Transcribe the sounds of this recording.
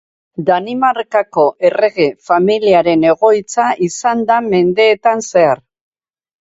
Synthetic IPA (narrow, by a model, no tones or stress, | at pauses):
d̪animaɾkako̞ʔe̞re̞ɣe̞familiaɾe̞ne̞ɣ̞o̞jt͡saʔisand̪ame̞nd̪e̞ːt̪anse̞aɾ